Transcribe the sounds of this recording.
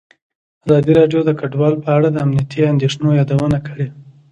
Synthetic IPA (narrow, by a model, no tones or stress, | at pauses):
azɑd̪iɾɑɖjod̪əkaɖwɑlpəaɽad̪əamnijat̪ʰiand̪eʂnojɑd̪awənakəɽe